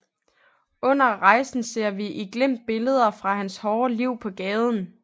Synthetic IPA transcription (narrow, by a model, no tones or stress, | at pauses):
ɔ̽n̰ɐʁɑ̈ɪsn̩se̝ɐ̰ʋiʔiɡ̥lem̰d̥̚b̥e̝ləð̞ˠɐfʁɑ̈ɦænshɒːliʊ̰pʰɒ̽ɡ̥ɛːð̞ˠn̩